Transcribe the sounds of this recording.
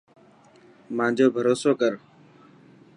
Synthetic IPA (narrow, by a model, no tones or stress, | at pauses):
mãːd͡ʒoːbʱəɾoːsoːkəɾ